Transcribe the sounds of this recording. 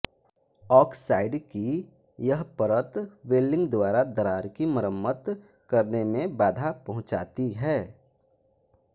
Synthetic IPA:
ɔːksaːɪɖkijɐɦpəɾət̪ʋeːlɪ̃ŋɡd̪waːɾad̪əɾaːɾkiməɾəmːət̪kɐɾnemẽbaːd̪ʱapɐɦʊ̃t͡ʃa̰ːt̪iɦɛː

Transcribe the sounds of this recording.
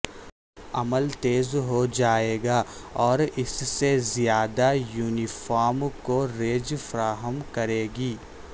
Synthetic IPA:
ɐməlt̪eːzɦod͡ʒaːeːɡaːɔːɾɪssezijaːd̪ajuːnifaːɾmkoɾeːd͡ʒfɐɾaːɦəmkɐɾeːɡiː

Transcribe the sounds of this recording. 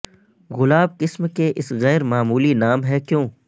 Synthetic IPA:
ɣʊlaːbkɪsmkeʔɪsɣɛːɾmaːmuːlinaːmɦɛkjõː

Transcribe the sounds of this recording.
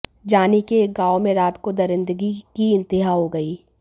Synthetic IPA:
d͡ʒaːnikeɡaːʋomẽɾaːt̪kod̪ɐɾɪ̃nd̪əɡikiɪ̃nt̪ɪɦaɦoɡɐiː

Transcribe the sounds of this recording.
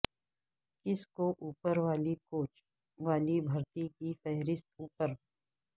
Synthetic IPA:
kɪskoʔuːpəɾʋaːlikoːt͡ʃ | ʋaːlibʱɐɾt̪ikifɛɦɾɪst̪uːpəɾ

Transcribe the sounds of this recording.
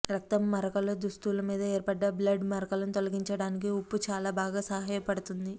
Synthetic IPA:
ɾɐk̚t̪ɐmːɐɾɐkɐlod̪ust̪ulɐmiːd̪ɐeːɾpɐɖːɐblɐɖmɐɾɐkɐlɐnut̪o̞lɐɡiɲt͡ʃɐɽaːnik̬iupːut͡ʃaːlaːbaːɡaːsɐɦaːjɐpɐɽut̪und̪i

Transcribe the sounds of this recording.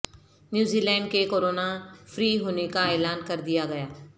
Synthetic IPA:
njuːziːlɛ̃ːɳɖkekoːɾoːnafɾiːɦoːnekaɛːlaːnkɐɾd̪ijaɡɐjaː

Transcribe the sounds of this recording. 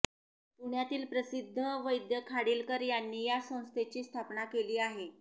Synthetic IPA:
puɳjat̪iːlpɾəsid̪ʱːəʋəjd̪jəkʰaɽiːlkəɾjanːiːjasə̃w̃st̪ʰet͡ɕiːst̪ʰapnakeliːaɦe

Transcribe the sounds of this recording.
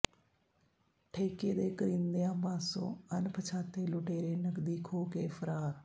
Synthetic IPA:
ʈʰeːkeːd̪eːkəɾĩːnd̪ejãːbãːsõ̰ːənpʰət͡ʃʰaːt̪eːlʊʈeːɾeːnəkd̪iːkʰoːkeːfʰəɾaːɾ

